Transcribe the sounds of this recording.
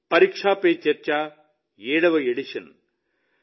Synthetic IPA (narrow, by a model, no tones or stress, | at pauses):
pɐɾiːkʂaːpeːt͡ʃɐɾt͡ʃaː | eːɽɐʋɐeɽiʂɐn